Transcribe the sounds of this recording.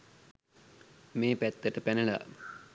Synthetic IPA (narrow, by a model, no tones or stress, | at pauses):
meːpæt̪ːəʈəpænəla̰